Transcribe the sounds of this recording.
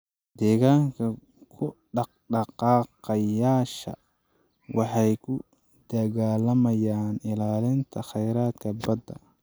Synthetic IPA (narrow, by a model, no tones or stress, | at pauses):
d̪̥ɛːɣaːŋkʰɐ | kʰʊɖɑqɖɑqɑːqɑjaːʃɐ̰ | wɑħɑjkʰʊ | d̪̥ɐɣaːlɐmɐjaːnɪlaːlɪnt̪ʰɐχɛjɾaːd̪kʰɐbɐd̪ɐ̰